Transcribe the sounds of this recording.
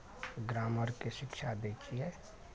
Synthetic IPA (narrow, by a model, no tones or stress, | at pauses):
ɡɾaːməɾkeʃɪkʃab̪eːt͡ʃiɦɛː